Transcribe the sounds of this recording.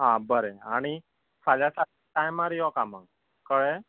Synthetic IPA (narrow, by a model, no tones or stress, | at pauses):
ɦãbəɾeaɽ̃i | saljasaiʈãjmaɾijɔkama̰ɡ | kəɭe